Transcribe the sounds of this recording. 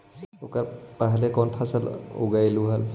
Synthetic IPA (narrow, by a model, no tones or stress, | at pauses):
ʊkaɹpaɦalɛkɔnpʰasəlṵɡajluɦəl